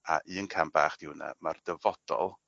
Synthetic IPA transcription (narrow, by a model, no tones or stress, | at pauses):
aʔiːənkʰambaːχd̥ɪwna̰mard̥əvɔd̥ɔlˠ